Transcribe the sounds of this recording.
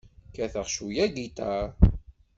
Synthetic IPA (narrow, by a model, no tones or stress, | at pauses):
kæθəʁʃujæɡit̪æ